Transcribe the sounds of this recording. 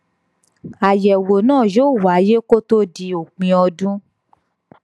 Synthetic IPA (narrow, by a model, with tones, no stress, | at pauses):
a˨jɛ˨wo˨nãː˦˨jo˦˨wa˨˦je˦ko˦to˦di˧˦o˨k͡pĩ˧ɔ˧dũ˦